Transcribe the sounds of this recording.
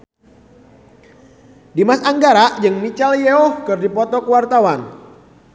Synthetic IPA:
dimasaŋɡaɾaʔd͡ʒɨŋmit͡ʃaljeɔhkɨrdipɔt̪ɔkəwart̪awan

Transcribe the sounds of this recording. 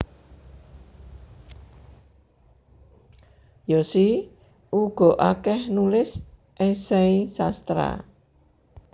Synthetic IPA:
jɔsi | ʔuɡ̥ɔ̤ʔakɛhnulɪs | ʔesɛisast̪ɾa̰

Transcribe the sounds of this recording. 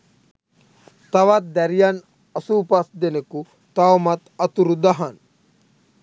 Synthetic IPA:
t̪ɐʋɐt̪̚d̪ɐɾjan | ɐsuːpɐsd̪eneku | t̪awmɐt̪ɐt̪uɾud̪ɐɦɐn

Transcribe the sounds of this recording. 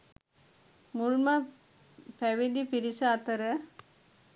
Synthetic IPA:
mulmɐ | pɛʋid̪ipiɾisɐːt̪ɐɾɐ

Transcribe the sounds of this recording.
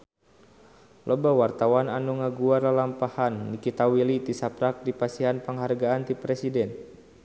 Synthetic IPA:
lʔɔbawart̪awananuŋaɡuaralampahanːikit̪awilit̪isapɾak̚dipasiɦanpəŋɦarɡaːnt̪ipɾɛsidɛn

